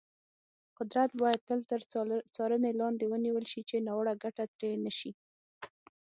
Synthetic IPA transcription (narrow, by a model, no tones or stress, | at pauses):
qʊd̪ɾat̪̚bɑjad̪̚t̪əlt̪əɾt͡sɑɾənelɑnd̪ewəniwəlʃit͡ʃenɑwəɽaɡaʈat̪ɾenəʃi